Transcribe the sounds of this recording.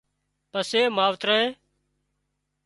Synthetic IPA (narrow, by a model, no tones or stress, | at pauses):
pəseːmaːʋt̪ɾãːẽː